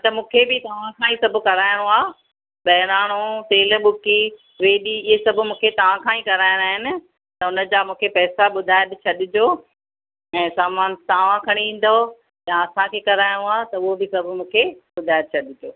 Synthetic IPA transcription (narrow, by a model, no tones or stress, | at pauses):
t̪ɐmũːkʰebɪt̪ɐʋ̤ãkʰãːĩsɐbʱʊ̆kɐɾaːɪɽ̃oaː | ɓɐɦɪɾaːɽ̃ot̪eːl̆ɓʊki | ʋeːɗiɪesɐbʱʊ̆mũːkʰet̪ɐʋ̤ãkʰãːĩkɐɾaːɪɽ̃aːɦɪnɪ̆ | t̪ɐʊnə̆d͡ʑaːmũːkʰepɛːsaɓʊd̪ʱaːɪd̪t͡ɕʰɐɗɪd͡ʑoː | ɛ̃ːsaːmaːnt̪aːʋ̤ãkʰɐɽ̃iĩːn̆d̪o | jãɐsãkʰeːkɐɾaːɪɽ̃oaːt̪ɐʊɦobɪsɐbʱʊ̆mũːkʰeɓʊd̪ʱaːɪd̪̚t͡ɕʰɐɗɪd͡ʑoː